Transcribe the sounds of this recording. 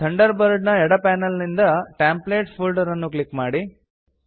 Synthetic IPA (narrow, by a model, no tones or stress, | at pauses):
t̪ʰɐɳɖɐɾbɐɾɖnɐɛɽɐpaːnɐlnind̪ɐʈaːmpleːʈpʰulɖɐɾɐnːuklikmaːɽi